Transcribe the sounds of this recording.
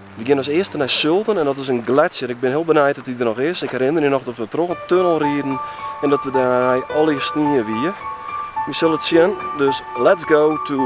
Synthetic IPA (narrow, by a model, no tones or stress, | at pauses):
ʋəɡjɪnɔsɪəstənɛjsølˠtənɛndɔtɪsənɡlɛtsjənɪɡ̚bɪnhɪəlˠbənɛjt̚dɔtidərnɔxɪsɪkhɛɾɪnərinɔxdɔtʋətroxəntʰønəlˠriədn̩ɛndɔtʋədaɛjɔlˠiəsniəʋiə | ʋisəlˠətsjəndøslɛtsɡoːtʰu